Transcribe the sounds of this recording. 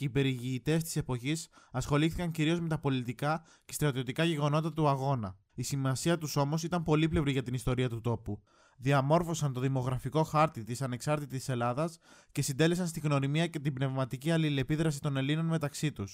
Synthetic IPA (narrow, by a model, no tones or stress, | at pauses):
ipe̞ɾiʝiːt̪e̞st̪ise̞po̞çisɐsxo̞liθikɐɲciɾio̞zme̞t̪ɐpo̞lit̪ikɐ | ce̞st̪ɾɐt̪io̞t̪ikɐʝe̞ɣo̞no̞t̪ɐt̪uɐɣo̞nɐ | isimɐsiɐt̪uso̞mo̞sit̪ɐmpo̞liple̞vɾiʝɐt̪inist̪o̞ɾiɐt̪ut̪o̞pu | ðiɐmo̞ɾfo̞sɐnt̪o̞ðimo̞ɣɾɐfiko̞xɐɾt̪it̪isɐne̞ksɐɾt̪it̪it̪i̥se̞lɐðɐsce̞sind̪e̞le̞sɐnst̪iɣno̞ɾimiɐce̞t̪ibne̞vmɐt̪iciɐlile̞piðɾɐsi̥t̪o̞ne̞lino̞nme̞t̪ɐksit̪us